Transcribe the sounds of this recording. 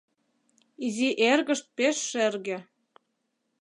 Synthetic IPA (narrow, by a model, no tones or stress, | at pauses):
iziʔerɣə̆ʃt̪̚peʃːerɣĕ